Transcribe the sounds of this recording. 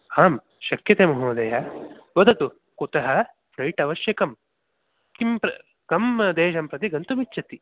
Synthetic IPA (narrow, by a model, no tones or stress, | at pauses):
aːm | ʃɐkjɐt̪eːmɐɦoːd̪ɐjɐʋɐd̪ɐt̪u | kut̪ɐɦɐ | pʰɾɐjʈɐʋɐʃjɐkɐm | kimpɾɐ | kɐmɐd̪eːʃɐmpɾɐt̪iɡɐnt̪umit͡ʃːʃɐt̪i